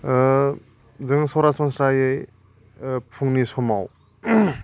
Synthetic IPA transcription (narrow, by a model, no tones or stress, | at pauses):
zɯŋsɔwɾasɔnsɾajɯj | pʰuŋnisɔmaw